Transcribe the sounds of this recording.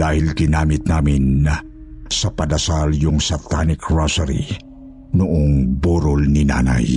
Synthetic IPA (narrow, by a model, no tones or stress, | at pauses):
aːhɪlɡɪnaːmɪt̪̚naːmɪn | sɐpɐd̪ɐsaljʊŋsɐt̪anɪkɹasɛɾḭ | nʊʔoŋbuːɾolnɪna̰ːna̰j